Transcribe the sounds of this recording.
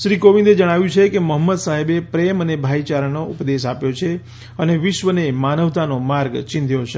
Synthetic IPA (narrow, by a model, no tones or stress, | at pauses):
ʃɾikoʋĩnd̪ed͡ʒəɽ̃aʋjũt͡ʃʰekeməɦəmːəd̪saɦebepɾemənebʱait͡ʃaɾənoupd̪es̬apjot͡ʃʰe | əneʋɪʃʋənemanəʋt̪ʰanomaɾɡt͡ʃɪ̃nd̪ʱjot͡ʃʰe